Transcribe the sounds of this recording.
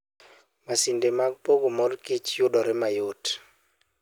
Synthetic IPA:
masindemak̚poɡomɔrkɪt͡ʃjʊdɔɾɪmajot

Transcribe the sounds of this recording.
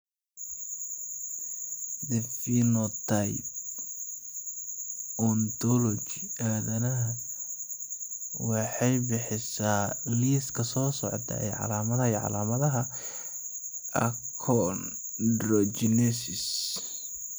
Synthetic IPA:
d̪ɛfinɔt̪ʰaj | ɔnd̪ɔlɔt͡ʃiʔaːðɐnɐɦɐ | wɑħɑjbɪħɪsaːliːskʰɐsɔːsɔʕt̪ʰɐ̰ɛ̰jʕɑ̰laːmɐðɐiʕɑ̰laːmɐðɐɦɐ | ʔɐ̰ | kʰɔn | dɾɔt͡ʃɪnɛsɪs

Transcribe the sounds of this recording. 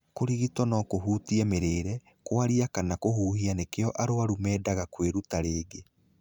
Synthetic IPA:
koɾiɣitwɔnɔkoɦuːtiɛmeɾeːɾɛ | kwaɾiakanakoɦuːhianekeɔʔaɾoaɾumɛːdaɣakweɾutaɾeːɡe

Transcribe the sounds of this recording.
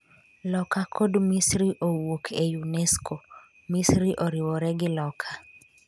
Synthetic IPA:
lɔkakʰɔdmisɾiʔowokʰɛjunɛskʰo | misɾiʔoɾiwɔɾɛɡɪlɔkʰḁ

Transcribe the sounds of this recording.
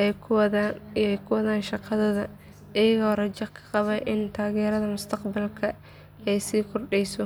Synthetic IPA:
ɛjkʰʊwɐðaːnʃɑqʰɑðɐðɐ | ʔɪjɐɣɔrɐt͡ʃɐkʰːɐ̥qɑβɐjʔɪnt̪ʰaːɣɛːɾɐðɐmʊst̪ʰɐqbɐlkʰɐ | ɛjsiːkʰʊrɖɛjsɔ

